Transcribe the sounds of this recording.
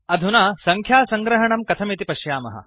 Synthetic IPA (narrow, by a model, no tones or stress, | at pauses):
ɐd̪ʱunaːsɐŋkʰjaːsɐŋɡɾɐɦɐɳɐmkɐt̪ʰɐmit̪ipɐʃjaːmɐ̰ɦɐ̰